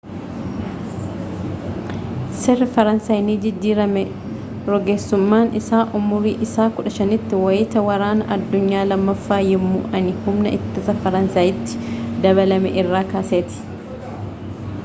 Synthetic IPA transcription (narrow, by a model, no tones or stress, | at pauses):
sɛrːɪfɐɾɐnsaːjniːd͡ʒɪd͡ʒːiːɾɐmɛ | ɾɔɡeːsːʊmːaːnɪsaːʔʊmʊɾiːʔɪsaːkʊᶑɐʃɐnɪt̪ːɪwɐjɪt̪ɐwɐɾaːnɐʔɐd̪ːʊɲːaːlɐmːɐfːaːjɪmːʊ̰ʔɐnɪhʊmnɐʔɪt̪ːɪsɐfɐɾɐnsaːjɪt̪ːɪ̥d̪ɐβɐlɐmɛ̰ʔɪrːaːkaːseːt̪ɪ̥